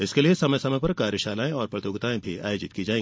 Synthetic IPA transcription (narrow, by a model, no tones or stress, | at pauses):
ɪskeliesɐməjsɐməjpɐɾkaːɾjəʃaːlaːẽɔːɾpɾɐt̪joːɡt̪aːẽbʱiʔa̰ːjod͡ʒɪt̪̚kid͡ʒaːẽː